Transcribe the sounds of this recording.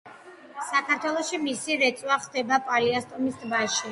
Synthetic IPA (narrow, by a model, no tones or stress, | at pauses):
sakʰaɾt̪ʰwɛlˠɔʃimisiɾɛt̪sʼwaχd̪ɛbapʼaɾiast̪ʼɔmisd̪baʃi